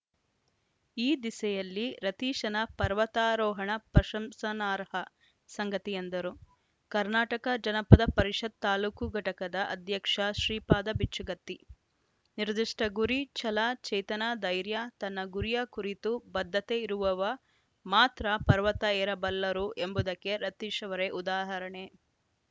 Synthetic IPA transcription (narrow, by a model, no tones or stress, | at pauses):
iːd̪isɛjɐlːiɾɐt̪iːʃɐnɐpɐɾʋɐt̪aːɾɔːɦɐɳɐpɾɐʃɐmsɐnaːɾɦɐ | sɐŋɡɐt̪ijɐnd̪ɐɾu | kɐɾnaːʈɐkɐd͡ʒɐnɐpɐd̪ɐpɐɾiʂɐd̪̚t̪aːluːkuɡʱɐʈɐkɐd̪ɐʔɐd̪ʱjɐkʂɐʃɾiːpaːd̪ɐbit͡ʃuɡɐt̪ːi | niɾd̪iʂʈʰɐɡuɾit͡ʃɐlaːt͡ʃɛjt̪ɐnaːd̪ɐjɾjat̪ɐnːɐɡuɾijɐkuɾit̪ubɐd̪ʱːɐt̪eiɾuʋɐʋɐ | maːt̪ɾɐpɐɾʋɐt̪ɐɛːɾɐbɐlːɐɾuʔembud̪ɐkːeɾɐt̪ːiʃɐʋɐɾeʔud̪aːɦɐɾɐɳe